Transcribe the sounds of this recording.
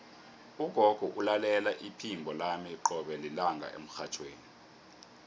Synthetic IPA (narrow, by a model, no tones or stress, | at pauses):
uɡ̥ʱɔɡ̥ʱɔʔulalɛlaʔipʰimbʱɔlamiiǃɔɓɛlilaŋɡʱa̰ʔḛm̩xat͡ʃʰweːni